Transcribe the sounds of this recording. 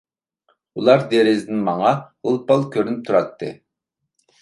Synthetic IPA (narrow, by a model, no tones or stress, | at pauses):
ulˠɑɾd̪eɾɪzɪnɪnmɑŋɑhəlˠpɑlˠkʲʰøɾynyp̚t̪ʰuɾɑt̪ːɨ̰